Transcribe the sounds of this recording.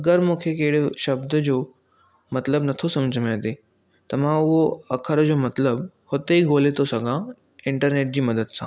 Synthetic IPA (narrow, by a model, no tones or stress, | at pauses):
ɐɡəɾmũːkʰekeɦɪɽ̤ʃɐbd̪əd͡ʑoː | mɐt̪ləbnɐt̪ʰosɐ̃md͡ʑʱəmãt̪eː | t̪ɐmãʊɦoɐkʰəɾd͡ʑoːmɐt̪ləb | hot̪eiɡoːlet̪osɐɡʱã | ɪ̃ɳʈəɾneːʈ̚d͡ʑiːmɐd̪əd̪sã̰